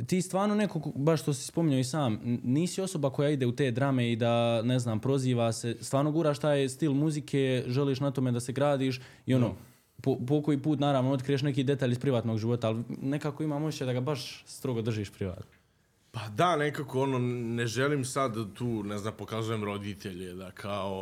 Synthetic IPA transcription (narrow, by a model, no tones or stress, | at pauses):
t̪iːst̪ʋaːɾnone̞ko̞kbaʃʃt̪o̞si̥spo̞miɲoisaːmniːsio̞so̞bakojaid̪e̞ut̪e̞ːd̪ɾame̞id̪aneznaːmpɾo̞ziːʋase̞st̪ʋaːɾnoɡuːɾaːʃt̪aːjst̪ilmuzikʰe̞ːʒeliːʃnat̪o̞med̪ase̞ɡɾaːd̪iːʃ̬ | io̞no | popokojiːpuːt̪naːɾaʋnoo̞t̪kɾijeʃ̬nekiːd̪e̞t̪aːʎispɾiʋaːt̪no̞ɡʒiʋo̞t̪aːlne̞kaːko̞imaːmot͡ɕed̪aɡabaʃst̪ɾo̞ɡod̪r̩ʒiːʃpɾiʋa̰ːt̪no | pad̪anekakoononeʒeliːmsad̪t̪uːneznaːmpokazujemɾo̞d̪it̪ʰeʎed̪akʰao